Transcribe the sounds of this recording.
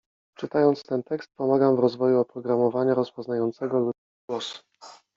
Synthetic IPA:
t͡ʂɘt̪ajɔnt̪st̪ɛnt̪ɛkst̪̚pɔmaɡamvɾɔzvɔjuɔpɾɔɡɾamɔvaɲaɾɔspɔznajɔnt̪sɛɡɔlu | wɔsu̥

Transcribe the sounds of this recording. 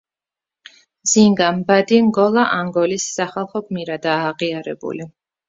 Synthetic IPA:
z̥iŋɡambad̪iŋɡɔlˠaʔaŋɡɔlisːaχalˠχɔɡmiɾad̪aːʁiaɾɛbṵli

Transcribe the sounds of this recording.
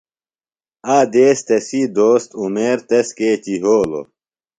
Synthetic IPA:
aːd̪eːst̪esid̪oːst̪umeːɾt̪eskeːt͡ɕiɦoːlo̰

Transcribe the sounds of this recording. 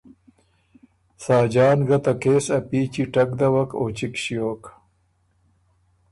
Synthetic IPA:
saːd͡ʑaːnɡɐt̪ɐkeːsɐpiːt͡ɕiʈɐk̚d̪ɐwɐko̰ːt͡ɕikɕijoːk

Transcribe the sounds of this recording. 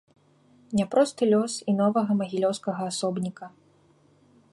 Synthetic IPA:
nʲɛpɾɔst̪ɨlʲɔsinɔvɐɣɐmɐɣʲilʲɔwskɐɣɐːsɔbnʲikɐ

